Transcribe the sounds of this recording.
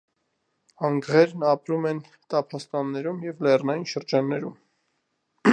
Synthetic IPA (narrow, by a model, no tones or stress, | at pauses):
ɑŋɡʁɛɾnɑpɾumɛn | t̪ɑpʰɑst̪ɑnːɛɾumjɛvlɛrnɑjinʃəɾd͡ʒɑnːɛɾum